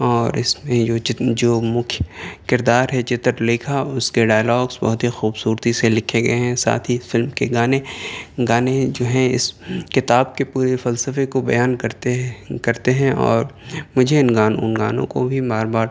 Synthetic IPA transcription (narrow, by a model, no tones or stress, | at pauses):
ɔːɾɪsmẽoːd͡ʒɪd͡ʒoːmʊkʰjkɪɾd̪aːɾɦɛt͡ʃɪt̪əɾlɪːkʰaʊskeɖaːjlɔːɡsbɐ̰ɦʊt̪ɦixuːbsuːɾt̪iselɪkʰeɡɐ̰eɦɛ̃sa̰ːt̪ʰisfɪlmkeɡaːneɡaːned͡ʒoːɦɛ̃ɪ̰skɪt̪aːb̚kepuːɾefɐlsəfekobɐjaːnkɐɾt̪ekɐɾt̪eɦɛ̃ɔ̰ːɾmʊd͡ʒʱeɪnɡaːnʊ̰nɡaːnõ̰ko̰bʱibaːɾbaːɾ